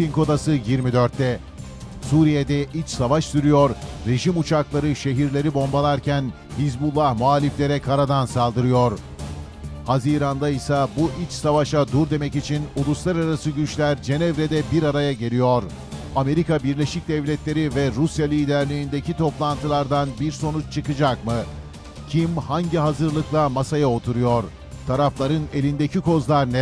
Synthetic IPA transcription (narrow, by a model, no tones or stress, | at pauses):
pinko̞d̪asɯjiɾmid̪øɾt̪ʰːɛ | suːɾijed̪ɛʔit͡ʃsavaʃsyɾyjo̞ɾɾe̞ʒimut͡ʃʰaklˠaɾɯʃe̞ɦiɾlʲe̞ɾibo̞mbalˠaɾcʰæn | hizbulˠːahmualʲiflʲe̞ɾɛkʰaɾad̪ansalˠd̪ɯɾɯjo̞ɾ | haziːɾand̪aisabuʔit͡ʃsavaʃad̪uɾd̪e̞mɛcit͡ʃʰinulˠuslˠaɾaɾasɯɟyt͡ʃlʲæɾd͡ʒe̞nɛvɾed̪ɛbiɾaɾajaɟe̞lʲijoɾ | ame̞ɾikabiɾlʲe̞ʃic̚d̪ɛvlʲɛt̪lʲe̞ɾivɛɾusjalʲiːd̪æɾlʲiːind̪e̞cʰit̪ʰo̞plˠant̪ʰɯlˠaɾd̪anbiɾso̞nut͡ʃt͡ʃʰɯkɯd͡ʒakmɯ | cʰimhaɲɟiɦazɯɾlˠɯklˠamasajao̞t̪ʰuɾujo̞ɾ | t̪ʰaɾaflˠaɾɯne̞lʲind̪e̞cʰiko̞zlˠaɾnɛ